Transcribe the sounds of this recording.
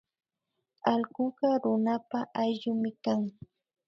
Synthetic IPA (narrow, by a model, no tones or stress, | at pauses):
ɑlɢʊɢɑɾʊnapaʔajʎʊmɪkaŋ